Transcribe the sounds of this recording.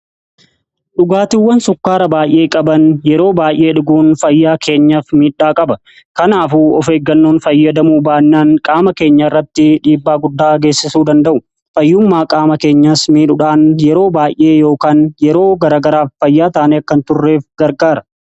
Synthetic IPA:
ᶑʊɡaːt̪ɪwːɐnsʊkːaːɾɐbaːjʔe̞ːkʼɐbɐnjɛɾo̞ːbaːjʔe̞ːᶑʊɡuːnfɐjːaːkʰe̞ːɲːɐfmiːᶑːaːkʼɐbɐ | kɐnaːfuɔfeːɡːɐnːoːnfɐjːɐd̪ɐmuːbaːnːaːnkʼaːmɐke̞ːɲːɐɪrːɐt̪ːɪᶑiːbːaːɡʊd̪ːaːɡe̞ːsːɪsuːd̪ɐnd̪ɐʔʊ | fɐjːʊmːaːkʼaːmɐke̞ːɲːɐsmiːᶑʊᶑaːnjɛɾo̞ːbaːjʔe̞ːjo̞ːkaːnjɛɾo̞ːɡɐɾaːɡɐɾaːfːɐjːaːt̪aːnɛɐkːɐnt̪ʊrːe̞ːfɡɐɾɡaːɾɐ

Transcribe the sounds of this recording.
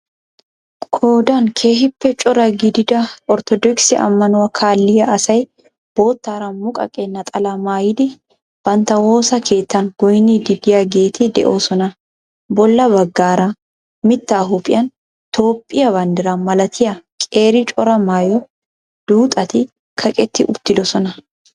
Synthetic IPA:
kʰoːd̪aŋkʰe̞ːhɪpːɛt͡ʃʼɔɾɐɡɪd̪ɪd̪ɐɔɾt̪ɔd̪ɔksɪʔɐ̰mːɐnʊwɐkʰaːlːɪjɐʔɐsɐj | b̥o̞ːt̪ːaːɾɐnmʊkʼɐ̰kʼenːɐt̪ʼɐlɐmaːjɪd̪ɪ | b̥ɐnt̪ɐwoːsɐkʰe̞ːt̪ːɐŋɡ̥ɔjnid̪ɪd̪ɪjɐɡeːt̪ʰid̪ɛ̰ʔoːsɔnɐ | bɔlːɐbɐɡːaːɾa | mɪt̪ːaːɦupʼɪ̰jɐn | t̪ʰo̞ːpʼːɪjɐbɐnd̪ɪɾɐmɐlɐt̪ʰɪjɐkʼeːɾɪt͡ʃʼɔɾɐmaːjɔ | d̪̥uːt̪ʼɐt̪ɪ | kʰɐkʼɛt̪ːɪʔʊ̰t̪ːɪd̪ɔsɔnɐ

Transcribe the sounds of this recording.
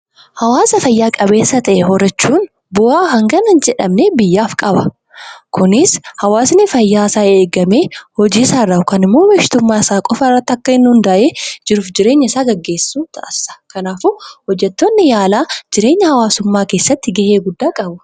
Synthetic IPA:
hɐwaːsɐfɐjːaːkʼɐbe̞ːsːɐt̪ɐʔɛhɔrɐt͡ʃːuːn | bʊʔaːɦɐŋɡɐnɐnd͡ʒɛᶑɐmneːbɪjːaːfkʼɐbɐ | kʰʊnɪshɐwaːsnɪfɐjːaːɪsaːeːɡɐmeːhɔd͡ʒiːsaːrːɐʊkɐnɪmːoːwɛʃɪ̥t̪ʊmːaːɪsaːkʼɔfɐrːɐt̪ːɪɐkːɐhɪnːʊʊnd̪aʔeːd͡ʒɪɾʊːfd͡ʒɪɾe̞ːɲːɐɪsaːɡɐɡːe̞ːsːuːt̪ʰɐʔɐsɐ̥kɐnaːfuhɔd͡ʒːɛt̪ːoːnːɪjaːlaːd͡ʒɪɾe̞ːɲːɐhɐwaːsʊmːaːkeːsːɐt̪ːɪɡɐʔeːɡʊd̪ːaːkʼɐbʊ

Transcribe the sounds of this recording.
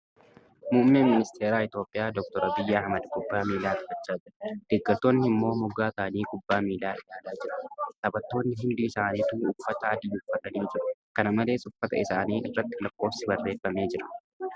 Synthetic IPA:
muːmːeːnmɪnɪst̪ʰeːɾaːɪt̪o̞ːpʼːɪjaːd̪ɔkt̪ɔɾɐbɪjːɐɐhmɐd̪kʼʊbːaːmiːlaːt̪ɪfɐt͡ʃːaːd͡ʒɪɾɐd̪̥ɪɡʼːɐt̪ːo̞ːnːɪɪmːo̞ːmʊɡaːsaːniːkʼʊbːaːmiːlaːʔɪjaːlaːd͡ʒɪɾɐ̥t̪ɐbɐt̪ːo̞ːnːɪɦɪnd̪uːɪsaːniːt̪uːʊfːɐt̪ɐːd̪iːʊfːɐt̪ɐniːd͡ʒɪɾʊkɐnɐmɐle̞ːsʊfːɐt̪ɐ̰ɪsaːniːɪrːɐt̪ːɪlɐkːo̞ːfsɪbɐrːe̞ːfːɐme̞ːd͡ʒɪɾɐ̥

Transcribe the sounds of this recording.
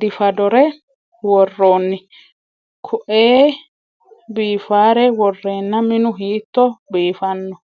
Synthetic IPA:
d̪ɪfɐd̪ɔɾɛ | wɔrːoːnːɪ | kʰʊʔeː | biːfaːɾɛwɔrːeːnːɐmɪnʊɦiːt̪ːɔbiːfɐnːɔ

